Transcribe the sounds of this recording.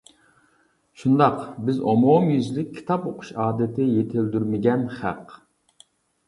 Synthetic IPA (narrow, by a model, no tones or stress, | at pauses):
ʃund̪ɑqbɪzomomjyzlɪkʲʰːi̥t̪ʰɑpoqʰʊ̥ʃɑːd̪ɪt̪ʰɪjet̪ʰɪld̪yɾmɪɡʲɛnχæ̰q